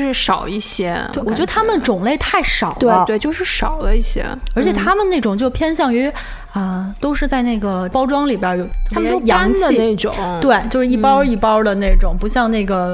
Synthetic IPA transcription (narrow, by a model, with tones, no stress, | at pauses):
ʂɻ̩˥˩ʂɑ˨˩ʊi˥˩ɕjɛ˥wwɔ˩ɥɛ˧˥ə˥˧t̪ʰa˥mə˨ʈ͡ʂʊ˨˩ŋle˥˧ɪt̪ʰa˥˩ɪʂɑ˨˩ʊt̪e˥˧ə˦twe˥˧ɪt͡ɕjo˥˧ʊʂɻ̩˥˩ʂɑ˨˩ʊlə˦i˥˩ɕjɛ̰˥ə˞˧˥t͡ɕʰjɛ˨˩t̪ʰa˥mə˨nne˥˩ʈ͡ʂʊ˨˩ŋt͡ɕjo˥˩ʊpʰjɛ˥nɕjɑ˥˩ŋy˧˥ | ə˧t̪o˥ʊʂɻ̩˥˧t͡sa˥˧ɪna˥˩ɪɡə˩pɑ˥ʊʈ͡ʂwɑ˥ŋli˨˩bjɛ˧˥jo˨˧˩ʊt̪ʰmə˨jo˥jɑ˧˥ŋt͡ɕ̪i˧e˥˩ɪʈ͡ʂʊ̰˨˩˦ŋt̪we˥˩ɪt͡ɕjo˥˧ʊʂɻ̩˥˧˥i˥˩pɑ˥i˥˩pɑ˥d̪ə˨ne˥˩ɪʈ͡ʂʊ˨˩˦ŋpu˧˥ɕjɑ˥˧ŋne˥˩ɪɡə˩